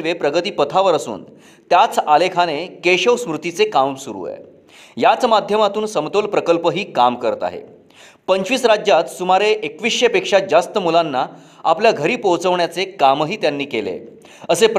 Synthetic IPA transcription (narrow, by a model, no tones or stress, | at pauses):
lʋepɾəɡət̪iːpət̪ʰaʋəɾəsṵːn | t̪jat͡salekʰanekeɕəʋsmɾut̪it͡sekamsuɾṵḛ | jat͡smad̪ʱjəmat̪uːnsəmt̪olpɾəkəlpəɦiːkamkəɾət̪a̰ɦḛ | pəɲt͡ɕʋiːsɾad͡ʑjat̪sumaɾeʔekʋiɕjəpekʂad͡zast̪əmulanːa | apljaɡʱəɾiːpowt͡səʋɳjat͡sekamɦiːt̪janːiːkelḛ | əsep